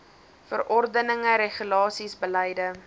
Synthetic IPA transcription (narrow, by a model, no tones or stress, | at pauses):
fə̰rɔrdənəŋəɾeχylɑːsisbəlɛjdə